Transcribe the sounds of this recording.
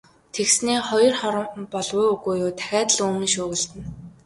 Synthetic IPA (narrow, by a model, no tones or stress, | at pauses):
t̪ʰeksniːχɔjɞ̆rχɔɾə̆mpɔɮʁʊːɵɣuːjʊːt̪ʰæ̥xʲæːt̪ə̆ɮɵːmĭnʃʊːɣə̆ɮt̪ɘ̆n